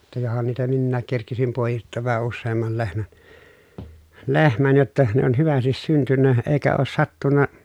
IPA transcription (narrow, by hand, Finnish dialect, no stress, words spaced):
jɑ johɑn niːtæ minːæːk kerkisim poˑejitːoːʋ ʋæhæ usːeːmːɑl lehmæn lehmæn jotːɑ ne on hyʋæstis syntynːæ eːkæ oːs sɑtːunːɑ